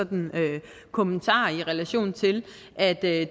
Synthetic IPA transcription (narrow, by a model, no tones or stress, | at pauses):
ɒ̽d̥n̩ø | kʰɔ̽mnt͡sʰɑ̰̈ːiʁɛlæɕo̝̰ːnt͡sʰe̝l | ʔæd̥